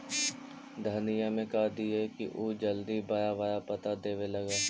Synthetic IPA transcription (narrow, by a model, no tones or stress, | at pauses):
d̪ʱanijamẽkad̪iɛkḭʔoːd͡ʒɐld̪ibɐjaʋajapɐt̪ad̪eːʋelɐɡaː